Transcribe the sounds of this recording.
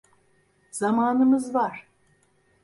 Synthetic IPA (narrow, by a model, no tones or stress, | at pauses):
z̥amaːnɯmɯzvaɾ̥